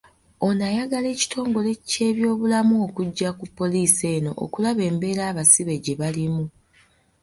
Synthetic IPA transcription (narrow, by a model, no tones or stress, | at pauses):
o̞najaɡale̞ːci̥tʰo̞ːŋɡo̞le̞ce̞ːβjo̞ːβulamuokuɟːakupːo̞liːse̞ːno̞̰ʔo̰kulaβe̞ːmbe̞ːɾaːβasiβe̞ɟe̞βalimu